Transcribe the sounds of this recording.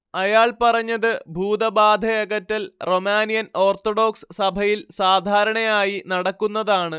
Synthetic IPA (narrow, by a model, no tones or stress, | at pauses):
ɐjaːɭpɐrɐɲːɐðɨbʱuːd̪ɐbaːd̪ʱɐjɐɣɐtːɐlro̞maːnijɐno̞ːrt̪oɽo̞ːksɨ̥sɐbʱɐjilsaːd̪ʱaːɾɐɳɐjaːjinɐɽɐkːunːɐðaːɳɨ